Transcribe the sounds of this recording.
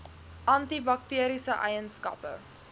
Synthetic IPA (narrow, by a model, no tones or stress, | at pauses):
ʔɐntibɐk̚tiəɾisəʔɛjənskɐ̰pə̰